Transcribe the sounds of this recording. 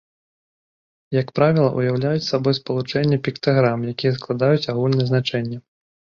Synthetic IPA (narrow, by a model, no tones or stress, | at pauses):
jakpɾavʲilˠɐʔujawlʲajut͡sʲsabɔjspɐlˠut͡ʂɛnʲːɛpʲikt̪aɣɾamjakʲijɛs̬klˠad̪ajut͡sʲaɣulʲnɐjɛznat͡ʂɛnʲːɛ